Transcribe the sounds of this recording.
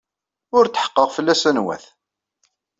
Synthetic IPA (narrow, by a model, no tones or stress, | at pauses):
ʊɾt͡s̪ːħə̥qːəʁfəlːæsænwæ̰θ